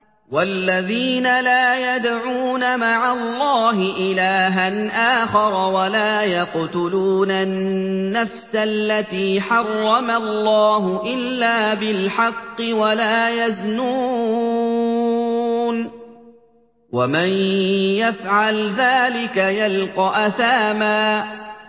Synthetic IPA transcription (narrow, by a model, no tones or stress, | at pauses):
walːaðiːnalaːjad̪ʕuːnamaʕalˤːɑːɦɪʔɪlaːɦanʔaːxɑɾˤwalaːjɑqt̪ʊluːnanːafsalːat̪iːħɑrˤːɑmalˤːɑːɦʊʔɪlːaːbɪlħɑqːɨwalaːjaznuː | n | wamanjafʕalðaːlɪkajalqɑʔaθaːmaː